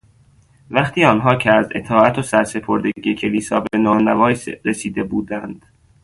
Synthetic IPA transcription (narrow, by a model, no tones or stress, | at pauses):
væχt̪ʰiːɒːnɦɒːcʰeæze̞t̪ʰɒːæt̪ʰosæɾse̞pʰo̞ɾd̪eɟiːecʰe̞liːsɒːbe̞nɒːnævɒːjsɾesiːd̪e̞buːd̪ænd̪̥